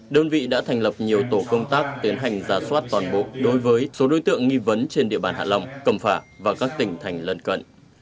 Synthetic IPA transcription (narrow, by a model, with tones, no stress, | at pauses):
ɗəː˧nvḭ˧˨ɗa̰ː˧˥t̪ʰɛ˨˩jŋ̟lə˨˩p̚ɲi˨˩əwt̪o˧˩kə˧wŋ͡mt̪aː˦˥k̚t̪i˨˦ənɦa˨˩jŋ̟zaː˨˩swaː˦˥t̚t̪waː˨˩nɓo̰˧˨ɗo˨˦jvəː˨˦jso˨˦ɗo˨˦jt̪ɨ̰˧˨əŋːŋi˧və˨˦nt͡ɕe˧nɗḭ˧əɓaː˨˩nha̰ː˧˨la˧wŋ͡mkə˧˩mfaː˧˩vaː˨˩kaː˦˥k̚t̪ï˧˩ŋ̟t̪ʰa˨˩jŋ̟lə˧nkə̰˧˨nʔ